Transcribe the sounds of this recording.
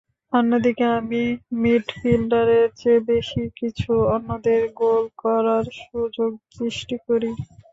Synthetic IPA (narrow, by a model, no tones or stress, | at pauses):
ɔnːod̪ikeamimiʈfilɖaɾeɾd͡ʑebeʃikit͡ɕʰuɔnːod̪eɾɡolkɔɾaɾʃud͡ʑoɡ̚tɾiʃʈikoɾi